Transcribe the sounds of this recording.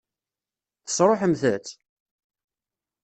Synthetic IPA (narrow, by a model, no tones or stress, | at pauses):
θə̥sˤɾˤoħəmθæt͡s̪